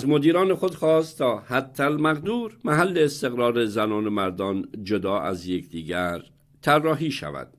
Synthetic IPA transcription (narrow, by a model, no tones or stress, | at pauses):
zmod̪iːɾɒːnexod̪xɒːst̪ʰːɒːhæt̪ʰːælmæɣd̪uːɾmæɦælːeːst̪e̞ɣɾɒːɾezænɒːnemæɾd̪ɒːnd͡ʒod̪ɒːʔæ̰zjekʰd̪iːɟæɾ | t̪ʰærːɒːɦiːʃæ̰væ̰d̪̥